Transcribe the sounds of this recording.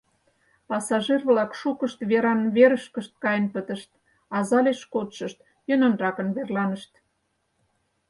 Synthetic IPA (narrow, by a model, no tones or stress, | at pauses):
pɑsɑʒirβlɑkʃukəʃt̪βeɾɑnβeɾəʃkəʃt̪̚kɑjənpət̪ə̆ʃt̪ | ɑzɑleʃkot̪ʃəʃt̪̚ | jənonrɑkə̆nβerlɑnəʃt̪